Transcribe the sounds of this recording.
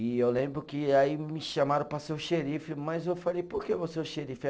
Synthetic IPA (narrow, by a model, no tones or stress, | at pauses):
ɪewlẽbɾʊkɪaimɪʃamaɾɐ̃pɾɐsewʃeɾifɪmɐzewfalejpoɾkevoseʊʃeɾifɪ